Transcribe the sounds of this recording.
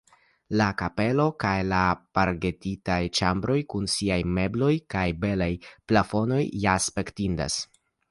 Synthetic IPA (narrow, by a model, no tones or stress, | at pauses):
lakape̞lo̞kajlapaɾɡe̞titajt͡ʃambɾo̞jkunsiajme̞blo̞jkajbe̞lajplafo̞no̞jjaspe̞ktinda̰s